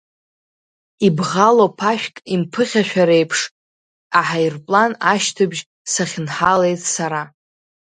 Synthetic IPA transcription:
ibʁalopʰaʃᶣkʼimpʰɨχʲaʃᶣaɾejpʰʂʼ | aħairpʼlanaʃtʰɨbʒ | saχʲɪnħale̞jtʼsaɾa

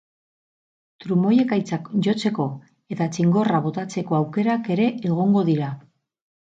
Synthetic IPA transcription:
t̪ɾumo̞je̞kajt͡sakʝo̞t͡se̞ko̞ | e̞t̪at͡ʃiŋɡo̞raβ̞o̞t̪at͡se̞ko̞awke̞ɾake̞ɾe̞eɣ̞o̞ŋɡo̞ðiɾa

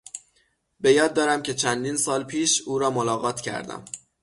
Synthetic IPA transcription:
be̞jɒːd̪̚ːɒːɾæmcʰe̞t͡ʃʰænd̪iːnsɒːlpʰiːʃuːɾɒːmolɒːɣɒːt̪ʰcʰæ̰ɾd̪æ̰m

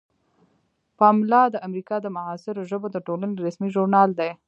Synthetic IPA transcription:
pɑmlɑd̪əʔamɾikɑd̪əmaɑsɪɾoʒəbod̪əʈolaneɾasmiʒuɾnɑld̪e

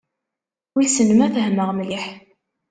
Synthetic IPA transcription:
wilsənəmæθəɦməʁmliħ

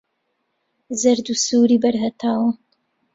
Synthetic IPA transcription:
zɐɾd̪usuːɾiːbɐɾɦɐt̪ʰaːwɐ

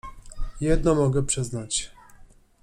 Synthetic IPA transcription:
jɛd̪̚nɔmɔɡɛpʂɛznat͡ɕ

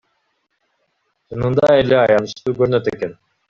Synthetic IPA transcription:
ʃʰɯnɯnd̪ɑeleɑjɑnɯʃt̪uːkøɾynøt̪eken

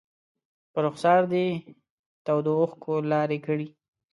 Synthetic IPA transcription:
pəɾʊxsɑɾd̪e | t̪awd̪oʊxkʰolɑɾekəɽi

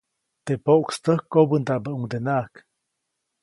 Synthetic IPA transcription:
t̪epoʔkst̪əhkːobənd̪aʔbəʔuŋd̪enaʔk

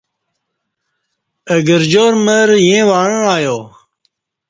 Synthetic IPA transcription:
əɡəɾd͡ʑoːɾməɾjẽːʋaːɻə̃ːaːjoː

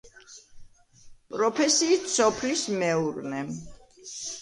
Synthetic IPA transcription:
pʼɾɔpʰɛsiːt̪sɔpʰlismɛuɾnɛ

